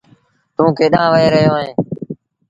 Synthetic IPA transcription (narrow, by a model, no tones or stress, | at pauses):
t̪ũːkʰeːɗãːʋəɦeːɾəɦɪjoːɦẽː